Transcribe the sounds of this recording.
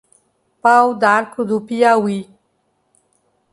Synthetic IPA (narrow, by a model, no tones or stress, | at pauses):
pawd̪aɾkud̪upiawi